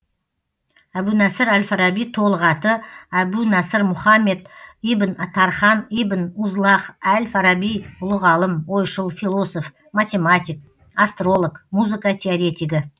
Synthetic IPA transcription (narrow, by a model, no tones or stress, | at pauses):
æbunæsəɾælfaɾabijt̪ʰo̞lˠəʁɑt̪əæbunɑsəɾmʊχɑmːe̞d̪ijbɪnt̪ʰɑɾχɑnijbɪnuzlˠɑqælfaɾabijʊlˠəʁɑlˠəmwo̞jʃəlˠfilˠo̞so̞f | mat̪ʲe̞mat̪ʲik̚ | ast̪ro̞lˠokmuzɨkɑt̪ʲʰeaɾʲe̞t̪ʲiɡʲɪ